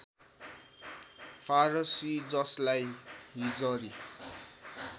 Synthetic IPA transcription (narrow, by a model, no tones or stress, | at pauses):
pʰaɾʌsid͡zʌslajɦid͡zʌɾi